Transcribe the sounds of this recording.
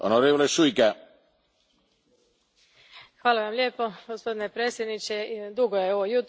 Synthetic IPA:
onoɾeːʋoleʃujka | xʋaːlaʋamlʲjeːpoɡospo̞d̪inepɾeːsjed̪nit͡ʃed̪uɡojeoʋojut̪

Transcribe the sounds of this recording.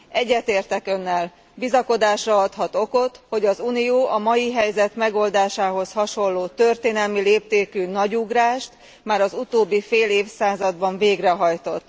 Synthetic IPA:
ɛɟːɛt̪eːrt̪ɛkø̞nːɛl | bizɒko̞d̪aːʃrɒɒt̪hɒt̪o̞ko̞t̪ho̞ɟɒzunijoːʔɒmɒjiɦɛjzɛt̪mɛɡo̞ld̪aːʃaːɦo̞shɒʃo̞lːoːt̪ø̞rt̪eːnɛlmileːp̚t̪eːkynɒɟuɡraːʃt̪ | maːɾɒzut̪oːbːifeːleːfsaːzɒd̪bɒɱveːɡrɛɦɒjt̪o̞t̪ː

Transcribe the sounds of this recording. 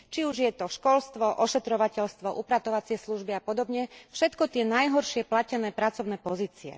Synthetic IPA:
t͡ʃiuʒjɛt̪ɔʃkɔlst̪ʋɔʔɔʃɛt̪ɾɔʋacɛlst̪ʋɔʔupɾat̪ɔʋat͡sɪɛsluʒbiapɔd̪ɔbɲɛfʃɛt̪kɔt̪ɪɛnajɦɔɾʃɪɛplacɛnɛːpɾat͡sɔʊnɛːpɔziːt͡siɛ̰

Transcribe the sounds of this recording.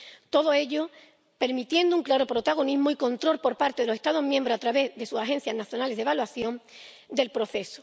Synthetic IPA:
t̪o̞ðoe̞ʎo | pe̞ɾmit̪je̞nd̪ouŋklaɾo̞pɾo̞t̪aɣ̞o̞nizmoiko̞nt̪ɾo̞lpo̞ɾpaɾt̪eðelse̞st̪aðoɦmjẽmbɾosat̪ɾaβe̞zðe̞susaɦe̞n̟θjaznaθjo̞nale̞zðe̞βalwaθjo̞ŋ | d̪e̞lpɾo̞θe̞so̥

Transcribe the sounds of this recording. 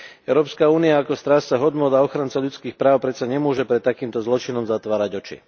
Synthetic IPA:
ɛʊɾɔːpskauːniaːkɔst̪ɾaːsːaɦɔd̪nʊɔd̪aɔxɾant͡saʎut͡skiːxpɾaːʊpɾɛt̪saɲɛmʊɔʒɛpɾɛt̪ːakiːmt̪ɔzlɔt͡ʃinɔmzat̪ʋaːɾaɟɔt͡ʃḭ

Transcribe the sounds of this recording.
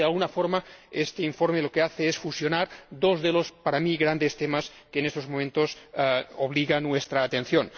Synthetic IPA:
ealˠɣunafoɾmaest̪eiɱfoɾmelokeaθeesfusjonaɾd̪ozðelospaɾamiɣɾand̪est̪emas | keːnest̪ozmomẽnt̪osoβliɣanːwest̪ɾaːt̪enθjon

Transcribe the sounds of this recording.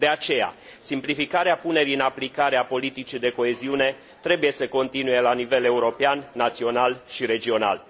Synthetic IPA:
d̪e̞at͡ʃe̞ja̰ | simplifikaɾeapune̞ɾiɨnaplikaɾeapo̞lit̪it͡ʃid̪e̞ko̞e̞ziune̞ | t̪ɾe̞buje̞səko̞nt̪inuje̞lanive̞le̞uɾo̞peanːat̪sio̞nalʃiɾe̞d͡ʒio̞na̰l

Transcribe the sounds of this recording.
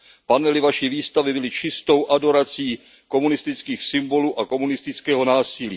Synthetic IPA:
panɛlɪvaʃiviːst̪avɪbɪlɪt͡ʃɪst̪o̞wʔado̞ɾat͡siː | ko̞munɪst̪ɪt͡skiːxsɪmbo̞luːʔako̞munɪst̪ɪt͡skɛːɦo̞naːsɪliː

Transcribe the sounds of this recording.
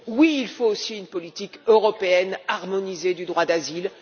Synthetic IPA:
wiːlfoːsiynpɔlit̪ikøʁɔpeɛnaʁmɔnized̪yd̪ʁwad̪azil

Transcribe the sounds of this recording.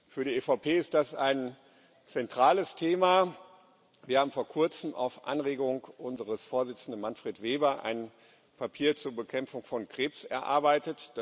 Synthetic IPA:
fyːɐɾiːefaʊpʰeːɪst̚d̥asaɪn | t͡sɛntʁ̥aːləstʰeːma | viɐhaːm̩foːɐkʰʊɐt͡səm̩a̰ʊfʔa̰nʁeːɡʊŋʔʊnzəʁəsfoːɐzɪt͡sn̩dənmanfʁ̥eːtv̥eːbɐʔa̰ɪn | pʰapʰiːɐt͡suːɐbəkʰɛmfʊŋfɔnkʁ̥eːpsɛɐʔa̰ɐbaɪtətd̥

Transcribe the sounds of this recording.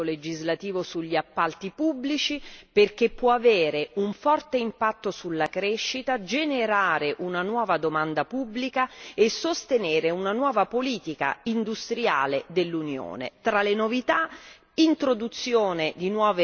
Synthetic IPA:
oled͡ʒizlat̪iːvosuʎːiapːalt̪ipubːlit͡ʃiperk̟epːwɔaveːɾeuɱfɔrt̪eimpat̪ːosulːakɾeʃːit̪ad͡ʒeneɾaːɾeʔunanwɔːvad̪omand̪apubːlikaesːost̪eneːɾeunanwɔːvapoliːt̪ika̰ind̪ust̪ɾja̰ːled̪elːunjo̰ːnḛt̪ɾalenovit̪a | int̪ɾod̪ut̪sːjoːned̪inwɔːve

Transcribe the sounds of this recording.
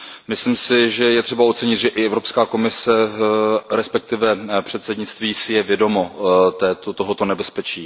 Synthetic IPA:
mɪslimsɪʒɛjɛt̪r̝̥ɛbaot̪t͡sɛɲɪt̪ʒɛʔɪɛvɾo̞pskaːko̞mɪsɛ | ɾɛspɛk̚t̪ɪvɛpr̥ɛt̪sɛdɲɪt͡st̪viːsɪjɛvjɛdo̞mot̪ɛːt̪ot̪oɦo̞t̪onɛbɛspɛt͡ʃiː

